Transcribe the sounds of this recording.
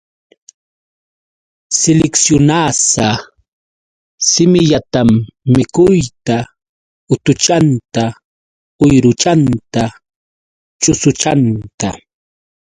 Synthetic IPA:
sɪlɪksjʊnaːsa | sɪmɪʎat̪amːɪkʊjt̪a | ʊt̪ʊt͡ʃant̪a | ʊjɾʊt͡ʃant̪a | t͡ʃʊsʊt͡ʃant̪a

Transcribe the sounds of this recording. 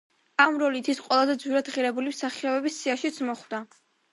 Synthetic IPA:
amɾɔlit̪ʰisqʼwɛlˠazɛd̪zwiɾad̪ʁiɾɛbulimsaχiɔbɛbisiaʃit̪sʰmɔχd̪a

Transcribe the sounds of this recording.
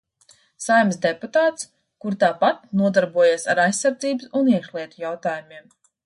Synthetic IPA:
sajmsd̪eput̪aːt̪s | kuɾt̪aːpat̪̚nuɔd̪aɾbuɔjaːsaɾajsːaɾd̪ziːbɨsuniɛkʃlˠiɛt̪ujawt̪aːjumiɛm

